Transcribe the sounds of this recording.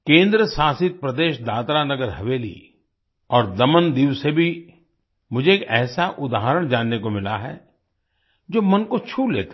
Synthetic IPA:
kẽːnd̪ɾəsaːsɪt̪̚pɾɐd̪eːʃd̪aːt̪ɾanɐɡəɾɦɐʋeːlḭ | ɔːɾd̪ɐmənd̪iːʋsebʱi | mʊd͡ʒʱeːkɛːsaʔʊd̪aːɦəɾəɽ̃d͡ʒaːnːekomɪla̰ɦɛ̰ | d͡ʒoːmɐnkot͡ʃʰuːlḛːt̪ː

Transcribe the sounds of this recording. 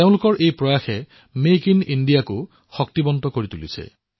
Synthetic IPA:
eʊ̃lʊkɔɹʔejpɹɔjaxɛ | mekinindijakʊ | xɔk̚t̪ibɔnt̪ɔkoɹit̪ulḭsʰɛ̰

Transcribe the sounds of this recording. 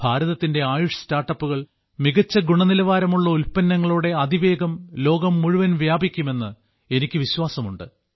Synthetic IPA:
bʱaːɾɐðɐt̪ːinde̞aːjuʂɐstaːrʈːɐpːuɣɐɭ | miɣɐt͡ɕːɐɡuɳɐnilɐʋaːɾɐmuɭːɐulpɐnːɐŋːɐɭuːɽe̞ɐd̪iʋe̞ːɡɐmlo̞ːɡɐmːuɻuʋɐnʋjaːbʱikʲːume̞nːɨ | e̞nikʲːɨʋiɕwaːsɐmuɳɖɨ̰

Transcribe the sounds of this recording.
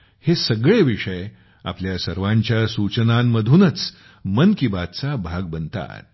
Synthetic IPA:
hesəɡɭeʋiʂəj | a̰pljasəɾʋãɲt͡ɕjasut͡ɕənamːəd̪ʱuːnət͡s | mənkibat̪̚t͡sabʱaɡ̚bənt̪a̰t̪̚

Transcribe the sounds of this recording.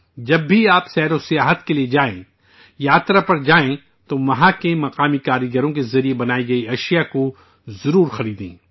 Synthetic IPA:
d͡ʒɐbːiaːpsɛːɾosijaːɦət̪kelied͡ʒaːḛ̃ | jaːt̪ɾapɐɾd͡ʒaːẽ | t̪oʋɐɦãkemɐqaːmikaːɾəɡəɾõk̬ezɐɾiebɐnaːiɡɐiɐʃijako | zɐɾuːɾxɐɾiːd̪ḭ̃ː

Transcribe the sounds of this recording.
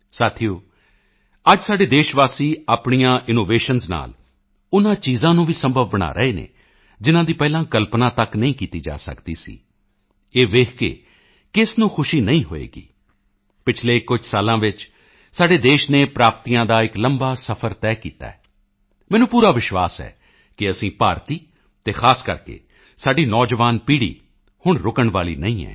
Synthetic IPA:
saːt̪ʰijoː | əd͡ʒsaːɖeːd̪eːʃʋaːsiːaːpɳijãːʔɪnoːʋeːʃənzna̰ːl | ʊnãːt͡ʃiːzãːnũːʋiːsəmbʱəʋːəɽ̃a̰ːɾə̰eːnḛː | d͡ʒɪnãːd̪iːpɛːlãːkəlpnãːt̪əknəĩːkiːt̪iːd͡ʒa̰ːsə̰kd̪ḭːsḭː | eːʋeːkʰkḛː | kɪsnũːkʰʊʃiːnəĩːɦo̰ːḛːɡḭː | pɪt͡ʃʰleːkʊd͡ʒʱsaːlãːʋɪt͡ʃ | saːɖeːd̪eːʃneːpɾaːp̚t̪iːjãːd̪aːɪkləmbaːsəpʰəɾt̪ɛːkiːt̪a̰ːɛː | mɛ̃ːnũːpuːɾaːʋɪʃʋaːsɛ̰ː | kɪəsĩːpaːɾt̪iː | t̪eːxʰaːskəɾkḛː | saːɖiːnɔːd͡ʒʋaːnpiːɽḭː | hʊɳɾʊkəɳʋaːlḭːnəĩːɛ̰ː

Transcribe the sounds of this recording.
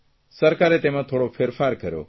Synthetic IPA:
səɾkaɾet̪emãt̪ʰoɽopʰeɾfʰaɾkəɾjo̰

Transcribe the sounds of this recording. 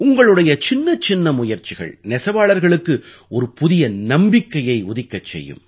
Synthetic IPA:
ʊŋɡɐɭɯɽɐjɐt͡ʃɪnːɐt͡ʃɪnːɐmʊjɐɾt͡ʃɪɣɐ̰ɭnɛsɐʋaːɭɐɾɣɐɭɯkːɯ | ɔɾɯpʊðɪjɐnɐmbɪkːɐjɐɪʊðɪkːɐt͡ʃːɛ̰jːɯ̰m

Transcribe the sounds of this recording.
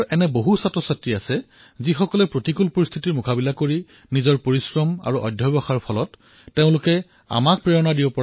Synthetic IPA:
ʔɛnɛboɦusatɹɔsatɹiasɛ | zixɔkɔlɛpɹotikulpoɹist̪ʰitiɹmʊkʰabilakoɹi | nizɔɹpoɹisɹɔma̰ɹuʔɔ̰dʱjɔbɔxaɹpʰɔlɔtː | eʊ̃lʊkɛ | a̰mak̚pɹiɹɔnadibɔpɔa

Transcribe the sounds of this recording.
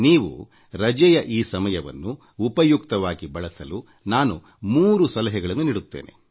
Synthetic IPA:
niːʋṵ | ɾɐd͡ʒɛjɐʔiːsɐmɐjɐʋɐ̰nːuː | pɐjuk̚t̪ɐʋaːɡibɐɭɐsɐlu | naːnu | muːɾusɐlɐɦɛɡɐɭɐnːuniːɽut̪ːeːnḛ

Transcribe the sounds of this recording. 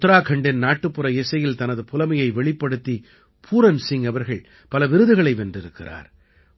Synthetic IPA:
t̪ːɾaːkʰɐɳɖɪnnaːʈːɯpːɯɾɐɛsɐjɪlt̪ɐnɐðɯpʊlɐmɐjɐɪʋɛɭɪpːɐɽɯt̪ːi | pʰuːɾɐnsɪŋɐʋɐɾɣɐɭ | pɐlɐʋɪɾɯðɯɣɐɭɐɪʋɛndrɪɾɯkːɪra̰ːɾ

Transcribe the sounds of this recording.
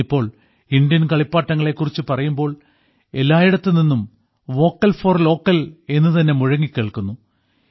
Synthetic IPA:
ipːo̞ːɭ | ind̪jɐnkɐɭipːaːʈːɐŋːɐɭe̞kːurit͡ɕːɨpɐrɐjumbo̞ːɭ | e̞lːaːjiɽɐt̪ːelninːum | ʋo̞ːkːɐlfoːrlo̞ːkːɐle̞nːɨt̪ɐnːe̞muɻɐŋːikʲːeːɭkunːu

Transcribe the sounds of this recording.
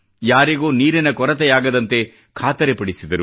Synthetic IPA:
jaːɾiɡoːniːɾinɐkɔɾɐt̪ɛjaːɡɐd̪ɐnt̪e̞ | kʰaːt̪ɐɾepɐɽisid̪ɐɾu

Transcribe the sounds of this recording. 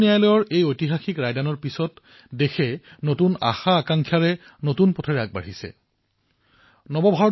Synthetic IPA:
nijajlɔjɔɹʔejojtiɦaxikɹajdanɔɹpisɔt | dexʰɛnotuna̰xaːkaŋkʰjaɹɛ | notunpɔtʰɔɹɛak̚ba̰ɹisɛ̰ | nɔbɔbʱaɔ

